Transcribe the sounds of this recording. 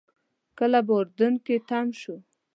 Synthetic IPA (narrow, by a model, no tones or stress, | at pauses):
kəlaboɾd̪unket̪amʃu